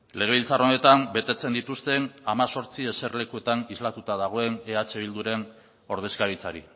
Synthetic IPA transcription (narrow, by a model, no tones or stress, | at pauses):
le̞ɣe̞βilt͡saro̞ne̞t̪ambe̞t̪e̞t͡se̞nd̪it̪ust̪e̞namaso̞ɾt͡sie̞se̞ɾle̞kue̞t̪anizlat̪ut̪aðaɣ̞o̞e̞neat͡ʃe̞β̞ild̪uɾe̞n | o̞ɾð̞e̞skaɾit͡saɾi